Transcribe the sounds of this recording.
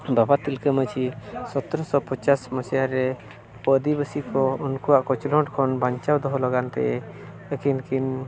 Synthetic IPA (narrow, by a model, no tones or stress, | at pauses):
babat̪ilkəmət͡ʃʰisɔt̪ɔɾɔsɔpɔt͡ʃasmɔsjaɾɛ | pəd̪ibəsikɔunkuwaʔkɔt͡ʃlɔ̃ʈkʰɔnbaɲt͡ʃawd̪ɔɦɔlɔɡant̪ɛ̰ɛ | əkinkin